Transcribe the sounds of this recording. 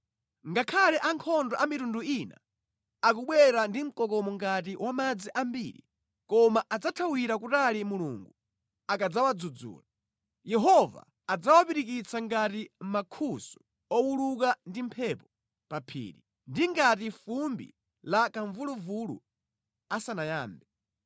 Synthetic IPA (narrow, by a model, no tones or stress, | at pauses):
ŋɡakʰalɛʔaŋkʰɔndɔʔamitunduina̰ | akuɓwɛɾandim̩kɔk̬ɔmɔŋɡat̬iwʔamad͡ziʔambḭɾḭ | kɔmaʔad͡zatʰawiɾakutalimulṵŋɡu | akad͡zawad͡zud͡zṵːla | jɛɦɔva̰ːd͡zawapiɾikit͡sʰaŋɡatim̩makʰusu̥ | ɔwuluk̬andimpʰɛpɔ | papʰḭːɾi | ndiŋɡat̬ifumbḭ | lakaɱvuluvulṵ | asanajaːmbɛ